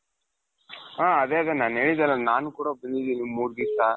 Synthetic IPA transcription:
aːɐd̪eːɐðenaːneːɭid̪ɐlːɐnaːnukuːɽɐbɐnd̪id̪inimuːɾɡisaː

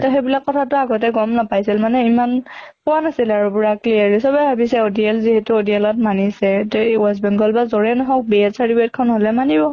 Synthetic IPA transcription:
tɔxebilakːɔtʰatʊaɡɔtɛɡɔmnapajsilmanɛimanpɔwanasilaɹubuɹakliaɹisɔbɛbʱabisɛodiɛlziɦɛtuodiɛlɔt̚manisɛtuɛs̬bɛŋɡɔlbazɔɹɛnɔɦɔk̚biɛtsaɹtibɛt̚kʰɔnɦɔlɛmanibɔ

